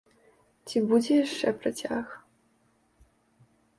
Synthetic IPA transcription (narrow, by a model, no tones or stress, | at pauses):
t͡sʲibud͡zʲɛjaʂt͡ʂɛpɾɐt͡sʲax